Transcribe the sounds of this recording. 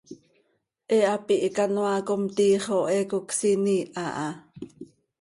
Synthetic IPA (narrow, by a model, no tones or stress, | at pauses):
ʔeapiʔkanwakomt̪iːχoʔɛkuksiniʔaʔa